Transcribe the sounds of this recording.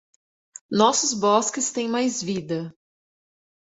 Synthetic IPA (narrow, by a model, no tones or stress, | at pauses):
nɔsʊzbɔskɪst̪ẽj̃majzvid̪ɐ